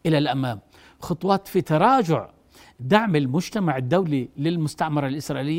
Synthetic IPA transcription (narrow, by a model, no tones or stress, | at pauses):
ʔɪlalʔamaːm | xʊt̪ˤwɑːt̪fit̪ɑɾˤɑːd͡ʒʊʕ | d̪aʕmɪlmʊd͡ʒt̪amaʕɪd̪ːawlilɪlmʊst̪aʔmɑɾˤɑlʔɪsɾˤɑʔilɪjː